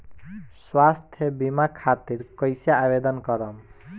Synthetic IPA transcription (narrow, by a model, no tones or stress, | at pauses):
swast̪ʰjʌbimakʰat̪iɾkʌjsjaːbed̪ɔnkɔɾɔm